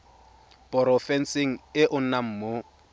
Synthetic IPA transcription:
pʼɔɾɔfɛn̩sɪŋ̩ɪʔʊn̩nam̩ːmo

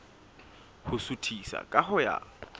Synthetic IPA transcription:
hʊsutʰisa̰kʼahʊja̰

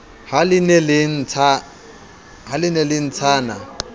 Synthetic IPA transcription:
halɪnɛlɪn̩t͡sʰa | halɪnɛlɪn̩t͡sʰaːna

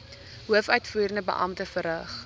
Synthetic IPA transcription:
ɦuəfœɥtfuːɾəndəbə̰ʔɐ̰mtəfəɾəχ

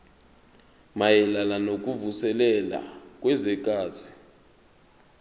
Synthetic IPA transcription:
majɛlalanok̬ʼuvusɛlɛla̰k̬ʼwɛzɛk̬ʼaːzi

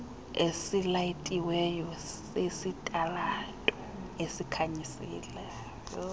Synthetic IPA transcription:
esilaitʼiwɛjɔs | esitʼalatʼɔ | esikʰaɲisḭːlɛ

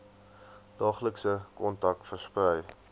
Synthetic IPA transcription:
d̥ɑːχləksəkɔntɐk̚tfərsprɛj

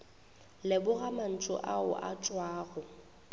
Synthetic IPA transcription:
lɪbʊɣaman̩t͡ʃʼʊ̰ʔaʊ̰ʔa̰t͡ʃʼwaːɣʊ

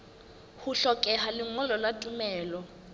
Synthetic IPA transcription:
huɬɔkʼɛɦalɪŋɔlɔlatʼumɛːlɔ

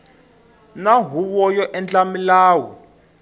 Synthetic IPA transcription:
naɦuβɔjɔʔɛnt͡ɬamilaːwɔ

